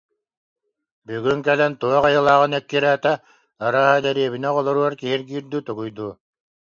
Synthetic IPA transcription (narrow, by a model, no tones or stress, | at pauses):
byɡyŋkɛlɛnt̪uɔqajɯlˠaːʁɯnɛkːiɾæːt̪ɛ | aɾaːɦad̪ɛɾiɛβinɛʁɔlˠɔɾuɔɾkiɦiɾɡiːɾd̪yt̪uɡujd̪uː